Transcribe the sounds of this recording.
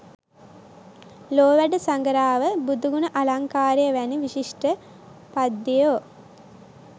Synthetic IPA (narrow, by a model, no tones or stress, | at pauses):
loːʋæɖəsaŋɡəɾaːʋəbud̪ʱuɡunəʔalaŋkaːɾjəʋæniʋiʃiʂʈə | pad̪ːijoː